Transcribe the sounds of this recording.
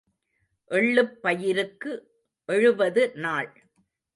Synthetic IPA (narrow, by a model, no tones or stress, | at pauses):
ʔɛɭːɯpːɐjɪɾɯkːɯ | ʔɛɻɯʋɐðɯnaːɭ